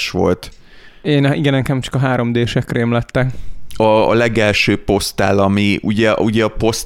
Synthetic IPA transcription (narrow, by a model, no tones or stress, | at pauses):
ʃʋo̞̰lt̪ | eːniɡɛnɛkɛmt͡ʃɒ̥kɒɦaːɾo̞md̪eːʃɛkreːmlɛt̪ːɛkɒ̰ːlɛɡɛlʃøːpo̞st̪a̰ːlɒmiuɟɛuɟɛɒpo̞st̪